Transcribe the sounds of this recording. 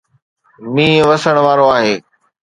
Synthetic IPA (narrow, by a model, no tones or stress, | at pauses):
mĩːʋəsəɽ̃ʋaːɾoaːɦeː